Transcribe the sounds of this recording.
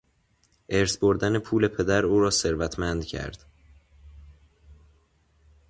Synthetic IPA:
ʔeɾsbo̞ɾd̪ænepʰuːle̞pʰe̞d̪æɾuːɾɒːse̞ɾvæt̪ʰmænd̪cʰæ̰ɾd̪̥

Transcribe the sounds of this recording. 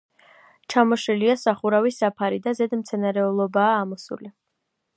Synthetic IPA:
t͡ʃʰamɔʃɛliasaχuɾavisapʰaɾid̪azɛd̪mt̪sʰɛnaɾɛulˠɔbaːmɔsṵli

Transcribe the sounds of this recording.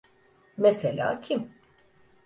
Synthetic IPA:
meselʲa̰ːcʰim

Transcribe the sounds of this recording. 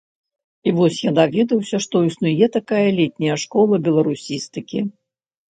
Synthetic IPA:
ivɔsʲjad̪avʲɛd̪ɐwsʲɐʂt̪ɔisnujɛt̪akajɐlʲɛt̪ʲnʲɐjɐʂkɔlˠɐbʲɛlˠɐɾusʲist̪ɨkʲi

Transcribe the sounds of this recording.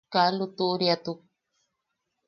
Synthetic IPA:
kalut̪uʔɾiat̪uk̚

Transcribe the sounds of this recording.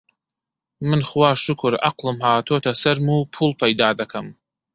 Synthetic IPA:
mɨnχwaʂɨkʷʰʊra̰qʷlɨmħaːtʰotʰasɐrmupʰulpʰaidaːdakʰam

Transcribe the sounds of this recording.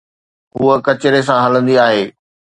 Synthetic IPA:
ɦuəkɐt͡ɕɪɾes̬ãɦɐlə̃nd̪iaːɦeː

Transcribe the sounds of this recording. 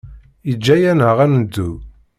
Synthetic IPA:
id͡ʒːæjænəʁænd̪ːu

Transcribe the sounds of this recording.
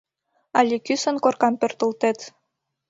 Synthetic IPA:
ɑlʲikysə̆nkorkɑmpørt̪ult̪et̪

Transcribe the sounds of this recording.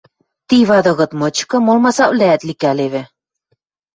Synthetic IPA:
t̪iβɑd̪ɤ̆ɣɤ̆t̪mɤ̆t͡ɕkɤ̆molmɑsɑβlæːt̪likæleβɘ̆

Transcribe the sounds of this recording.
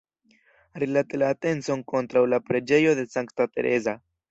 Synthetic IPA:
ɾilatelaːte̞nt͡so̞ŋko̞ntɾawlapɾe̞d͡ʒe̞jo̞de̞saŋktateɾʔe̞̰za

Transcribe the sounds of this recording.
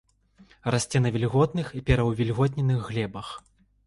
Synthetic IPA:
rasʲt͡sʲɛnɐvʲilʲɣɔt̪nɨxipʲɛɾɐwvʲilʲɣɔt̪̬ʲnʲɛnɨɣːlʲɛbɐx

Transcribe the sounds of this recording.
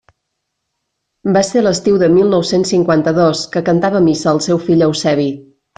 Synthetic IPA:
baseləst̪iwðəmilˠnɔwsensiŋkwant̪əðoskəkənt̪aβəmisəːlˠsɛwfiʎəwsɛβi

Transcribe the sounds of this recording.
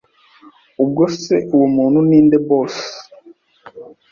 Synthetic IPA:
ub̚ɡoseuwomuːn̤uniːndebos

